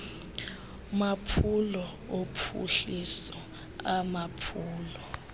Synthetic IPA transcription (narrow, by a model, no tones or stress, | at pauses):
mapʰulɔ | opʰṵɬisɔ | amapʰuːlɔ